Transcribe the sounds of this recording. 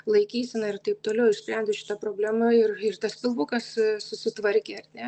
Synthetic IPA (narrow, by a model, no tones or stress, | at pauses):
lˠɐɪkʲiːsʲɪnɐɪrt̪ɐɪp̚t̪oːlʲɛʊɪrsʲpʲɾʲɛnʲd͡zʲɪʃʲɪ̥t̪ɐpɾoːbʲlʲæːmɐɪrɪrt̪ɐspʲɪlˠbukɐssʊsʲɪt̪ʋɐɾʲkʲeːɐrʲnʲɛ